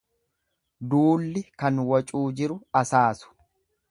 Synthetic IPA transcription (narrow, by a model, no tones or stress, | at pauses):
d̪uːlːɪkɐnwɐt͡ʃʼuːd͡ʒɪɾʊɐsaːsʊ̥